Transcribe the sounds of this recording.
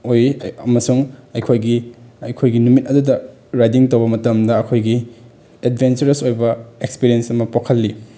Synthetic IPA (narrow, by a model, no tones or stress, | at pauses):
ojɐmɐsuŋɐjkʰojɡiɐjkʰojɡinumit̚ɐdudɐ | ɾajdiŋtowbɐmɐtɐmdɐːkʰojɡi | edbʱent͡ʃɐɾɐsojbɐekspiɾijensɐmɐpokʰɐlːi